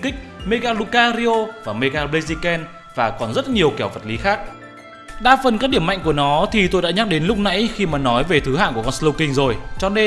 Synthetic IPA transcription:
kï˦˥k̟̚me˧ɣaː˧lu˧kaː˧ɾi˧ʔo˧vaː˨˩me˧ɣaː˧ɓle˧zi˧kɛ˧n | vaː˨˩kɔ˨˩nzə˦˥t̚ɲi˨˩əwkɛ˧˩wvə˨˩t̚li˨˦xaː˦˥k̚ | ɗa̰ː˧˥fə˨˩nkaː˦˥ɗi˧˩əma̰˧˨ŋku˧˩ənɔ˨˦t̪ʰi˨˩t̪o˧jɗa̰ː˧˥ɲa˦˥k̚ɗe˨˦nlʊ˦˥k͡p̚na̰˧˥jxi˧maː˨˩nɔ˨˦jve˨˩t̪ʰɨ˨˦ɦa̰ː˧˨nku˧˩əkɔ˧nslo˧wkï˧ŋ̟zo˨˩jt͡ɕɔ˧ne˧

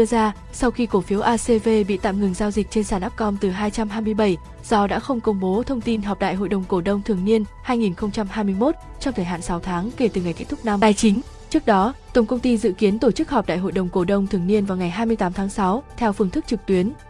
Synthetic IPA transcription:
ɨ˧əzaː˧ | sa˧wxi˧ko˧˩fi˨˦əwʔaː˧se˧ve˧ɓḭ˧˨t̪a̰ː˧˨mŋɨ˨˩ŋzaː˧wzi˨˩k̚t͡ɕe˧nsaː˧˩nʔaː˦˥p̚kɔ˧mt̪ɨ˨˩ɦaː˧jt͡ɕa˧mɦaː˧jmɨ˧əjɓə˧˩j | z̥ɔ˧ɗa̰ː˧˥xə˧wŋ͡mkə˧wŋ͡mɓo˨˦t̪ʰə˧wŋ͡mt̪i˧nɦaɔ˨˩p̚ɗa̰ː˧˨jɦo̰˧˨jɗə˨˩wŋ͡mko˧˩ɗə˧wŋ͡mt̪ʰɨ˨˩əŋni˧ənhaː˧jŋi˨˩nxə˧wŋ͡mt͡ɕa˧mhaː˧jmɨ˧əjmo˦˥t̚ | t͡ɕɔ˧ŋ͡mt̪ʰəː˨˧˩ɦa̰˧˨nsa˨˦wt̪ʰaː˨˦ŋke˧˩t̪ɨ˨˩ŋa˨˩jkt̚t̪ʊ˦˥k̚na˧maː˨˩jt͡ɕï˨˦ŋ̟ | t͡ɕɨ˦˥ək̚ɗɔ˨˦t̪ə˨˩ŋ͡mkə˧wŋ͡mt̪i˧zɨ̰˧˨ki˨˦ənt̪o˧˩t͡ɕɨ˦˥k̚hɔ˨˩p̚ɗa̰ː˧˨jɦo̰˧˨jɗə˨˩wŋ͡mko˧˩ɗə˧wŋ͡mt̪ʰɨ˨˩əŋni˧ənvaː˨˩wŋa˨˩jɦaː˧jmɨ˧əjt̪aː˨˦mt̪ʰaː˨˦ŋsa˨˦wt̪ʰɛ˧wfɨ˧əŋt̪ɨ˦˥k̚t͡ɕɨ˨˩k̚t̪wi˨˦ən

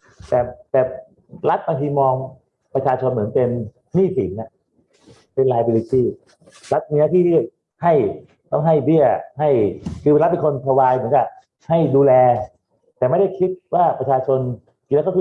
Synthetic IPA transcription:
t̪ɛː˨˩t̪ɛː˨˩ | ɾa˦˥t̪̚baː˧ŋt̪ʰiː˧mɔː˧ŋ | pɾa˧t͡ɕʰaː˧t͡ɕʰo˧nmɯ˩˦npe˧n | miː˥˩sʰḭ˩˦nʔa˧˩ʔ | pe˧nlaː˧jbi˧li˧t̪iː˥˩ | ɾa˦˥t̪̚miː˧˥na˦˥t̪ʰiː˥˩li˥˩˨j | ha˥˩j | t̪ɔ˥˩ŋɦa˥˩jbi˥˩əha˥˩jkʰɯː˧a˦˥t̪̚pe˧nkʰo˧nt̪ʰa˧waː˧jmɯ˩˦ənkaː˨˩k̚ | ha˥˩jduː˧lɛː˧ | t̪ɛː˨˩ma˥˩jda˥˩jkʰi˦˥t̪̚waː˥˩pɾa˧t͡ɕʰaː˧t͡ɕʰo˧n | i˧˩lːkːʰ

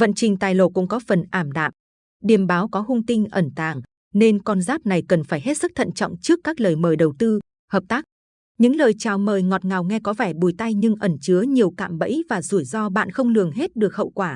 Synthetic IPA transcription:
və̰˧˨nt͡ɕï˨˩ŋ̟t̪aː˨˩jlo̰˧˩kʊ̰˧˥ŋ͡mkɔ˨˦fə˨˩nʔaː˧˩mɗa̰ː˧˨m | ɗi˨˩əmɓaː˨˦wkɔ˨˦hʊ˧ŋ͡mt̪ï˧ŋ̟ʔə˧˩nt̪aː˨˩ŋ | ne˧nkɔ˧nzaː˦˥p̚na˨˩jkə˨˩nfaː˧˩jɦe˦˥t̚sɨ˦˥k̚t̪ʰə̰˧˨nt͡ɕɔ̰˧˨wŋ͡mt͡ɕɨ˦˥əkːaː˦˥k̚ləː˨˩jməː˨˩jɗə˨˩wt̪ɨ˧ | həː˨˩p̚t̪aː˦˥k̚ | ɲɨ̰˧˥ŋləː˨˩jt͡ɕaː˨˩wməː˨˩jŋɔ˨˩t̚ŋa˨˩wŋɛ˧kɔ˨˦vɛː˧˩ɓu˧˩jt̪a˧jɲɨ˧ŋʔə˧˩nt͡ɕɨ˨˦əɲi˨˩əwka̰ː˧˨mɓə̰˧˥jvaː˨˩zu˧˩əjzɔ˧ɓa̰ː˧˨nxə˧wŋ͡mlɨ˨˩əŋɦe˦˥t̚ɗɨ˨˩ək̚hə̰˧˨wkwaː˧˩

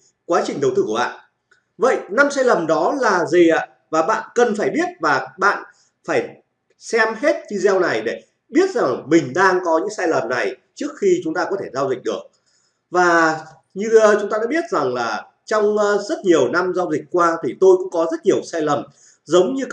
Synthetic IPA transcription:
kwaː˨˦t͡ɕï˨˩ŋ̟ɗə˨˩wt̪ɨː˧˩ku˧˩ɓa̰ː˧˨ | və̰˧˨jna˧msaː˧jlə˨˩mɗɔ˨˦laː˨˩zi˨˩ʔa̰ː˧˨ | vaː˨˩ɓa̰ː˧˨nkə˨˩nfaː˧˩jɓi˦˥ət̚vaː˨˩ɓa̰ː˧˨n | faː˧˩j | sɛ˧mhe˦˥t̚t͡ɕi˧zɛ˧wna˨˩jɗe˧˩ | ɓi˦˥ət̚za˨˩ŋmï˨˩ŋ̟ɗaː˧ŋkɔ˨˦ɲɨ̰˧˥ŋsaː˧jlə˨˩mna˨˩jt͡ɕɨ˦˥ək̚xi˧t͡ɕʊ˨˦ŋ͡mt̪aː˧kɔ˨˦t̪ʰe˧˩zaː˧wzï˨˩k̟̚ɗɨ˨˩ək̚ | vaː˨˩ | ɲɨ˧t͡ɕʊ˨˦ŋ͡mt̪aː˧ɗ̰aː˧˥ɓi˦˥ət̚za˨˩ŋlaː˨˩ | t͡ɕɔ˧wŋ͡mzə˦˥t̚ɲi˨˩əwna˧mzaː˧wzï˨˩k̟̚kwaː˧t̪ʰi˨˩t̪o˧jkʊ̰˧˥kɔ˨˦zə˦˥t̚ɲi˨˩əwsaː˧jlə˨˩m | zə˨˦wŋ͡mɲɨ˧

